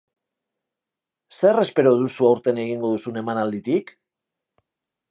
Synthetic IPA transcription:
se̞re̞spe̞ɾo̞ð̞usuawɾt̪e̞ne̞ɣ̞iŋɡo̞ð̞usune̞manald̪it̪ik

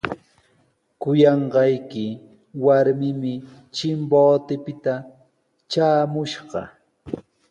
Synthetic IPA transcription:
kʊjɑɴɢɑjkɪ | waɾmɪmɪ | t͡ʃɪmboːt̪ɪpɪt̪a | t͡ʃaːmʊʃɢɑ̰

